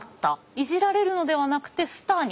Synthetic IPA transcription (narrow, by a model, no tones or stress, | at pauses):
t̪ːa | iʑiɾaɾe̞ɾɯ̟no̞d̪e̞β̞anakɯ̟̥t̪e̞sɨ̥t̪aːɲ̟